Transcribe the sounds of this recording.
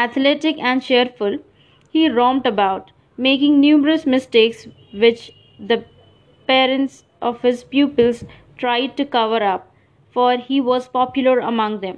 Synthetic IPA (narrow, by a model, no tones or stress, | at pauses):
æt̪ʰleʈɪkɛ̃ɳɖʃeɾfʊl | hiːɾɔ̃ːmɖəbaʊʈ | meːkɪ̃ŋnjuːməɾəsmɪsʈeːks | ʋɪt͡ʃ | d̪ə | peːɾə̃ɳʈs | ʔɔʋhɪzpjuːpəlz | ʈɾaɪɖ̚ʈukʌʋəɾʌp̚ | fɔːɾhiːʋɔːzpɔːpjʊləɾə̰mʌ̃ŋɡd̪ɛ̃m